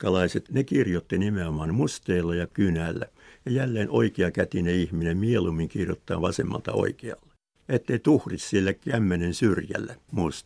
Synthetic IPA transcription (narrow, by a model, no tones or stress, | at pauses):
kɑlɑiset̪nekirjot̪ːinimeomɑnmust̪eːlːɑjɑkynæːlːæ̰ | jɑjælːeːnoikeɑkæt̪ineihminemmielumːiŋkirjo̰t̪ːɑ̰ːʋɑsḛmːɑ̰lt̪ɑ̰o̰ikeɑ̰lːe̥ | et̪ːeit̪uhrissielːækæmːenensyrjæ̰lːæmust̪